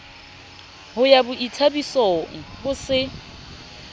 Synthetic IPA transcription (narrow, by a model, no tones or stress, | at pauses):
ɦʊjabʊʔitʰabisɔŋ̩hʊsɪ